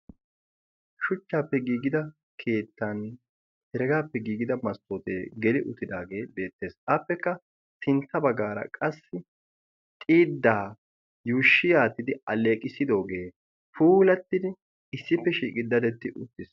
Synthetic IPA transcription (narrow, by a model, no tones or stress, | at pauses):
ʃʊt͡ʃːaːpːɛɡiːɡɪd̪ɐ | kʰe̞ːt̪ːan | hɛɾɛɡaːpːɛɡiːɡɪd̪ɐmɐst̪ːoːt̪eːɡɛlɪʔʊt̪ːɪd̪aːɡe̞ːbe̞ːt̪ːe̞ːsɐpːɛkːɐ | t̪ɪnt̪ːɐbɐɡaːɾɐ̰kʼɐsːɪ | t̪ʼiːd̪ːaː | juːʃːɪjaːt̪ːɪd̪ɪɐleːkʼɪsɪd̪o̞ːɡe̞ː | fuːlɐt̪ːɪd̪ɪ | ɪsːɪpːɛʃiːkʼɪd̪ːɐd̪ɛt̪ːɪʔʊt̪ːɪs